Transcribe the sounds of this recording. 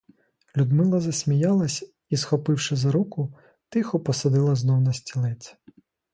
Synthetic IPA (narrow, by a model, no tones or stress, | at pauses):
lʲud̪mɪlˠɐzɐsʲmʲijɑlˠɐsʲ | isxɔpɪwʃɪzɐɾukʊ | t̪ɪxɔpɔsɐd̪ɪlˠɐznɔwnɐsʲtʲilˠɪt͡s̪ʲ